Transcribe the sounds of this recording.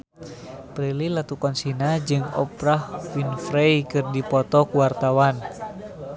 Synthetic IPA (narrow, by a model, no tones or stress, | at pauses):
pɾililat̪ukɔnsinad͡ʒɨŋɔ̰pɾahwinfɾejkɨrdipɔt̪ɔkuwart̪awan